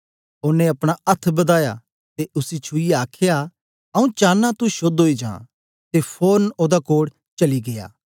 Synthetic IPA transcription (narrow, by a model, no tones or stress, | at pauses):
ʊnːẽɐpɽ̃aɐt̪ʰbɐd̪aːja̰ | t̪eʊsit͡ʃʰʊijeaːkʰja | ɐũt͡ʃãːnːãt̪uʃoːd̪ɦoːid͡ʒã̰ː | t̪epʰoːnoːd̪akoːɽ | t͡ʃɐliɡeja̰ː